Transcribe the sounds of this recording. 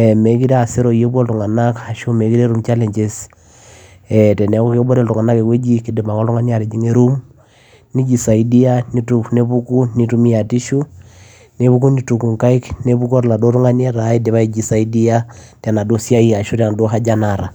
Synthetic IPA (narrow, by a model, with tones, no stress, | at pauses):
ɛme˨˦ki˦ɾɛ˦a˨se˦ɾɔ˨ije˦βwɔ˦ltu˨ŋa˨na˦ka˨ʃo˦me˨ki˦ɾe˦ɾu˦mt͡ʃa˦lɛ˨ɲd͡ʒe˨s | ɛtɛ˨nɛ˨kɔ˦ke˦o˦bɔ˦ɾɛ˦ltu˨ŋa˨na˦ke˨kwe˦d͡ʒi˦ki˨de˨ma˨kɔ˦lu˦ŋa˦ni˦a˨ɾe˨d͡ʒi˦ŋe˦ɾu˦m | ni˦d͡ʒi˨sa˨idi˦a˦ni˦tune˦βu˦ku˦ni˨tu˦mi˦a˨ti˦ʃu˦ | ne˦βu˦ku˦ni˦tu˨ku˨ŋka˦i˦kne˦βu˦kɔ˦ɾla˨do˦ɾu˦ŋa˦ni˦a˦ɾai˦de˨βa˦i˦d͡ʒi˨sa˨idi˦ata˨na˨do˦sja˦i˦a˨ʃo˦ta˨n˨do˦ɦa˦d͡ʒa˦naɾa˨